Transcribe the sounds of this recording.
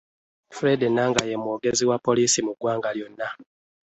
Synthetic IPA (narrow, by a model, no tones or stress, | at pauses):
fuɾedenːaːŋɡajemwoːɡe̞ziwapːo̞liːsimuɡwaːŋɡaljo̞nːa